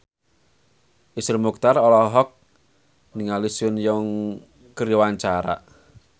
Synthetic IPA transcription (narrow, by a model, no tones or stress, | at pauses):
ʔisərmuk̚t̪arɔlɔɦɔk̚ | niŋalisʊnjɔŋ | kəɾiwaɲt͡ʃaɾa̰ʔ